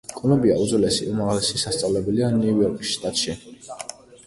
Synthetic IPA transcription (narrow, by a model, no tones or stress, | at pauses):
kʼɔmɛbiaud̪zwlɛsḭumaʁlɛsisast̪sʼavlɛbɛlianuujɔɾkʼisʃt̪ʼat̪ʼʃi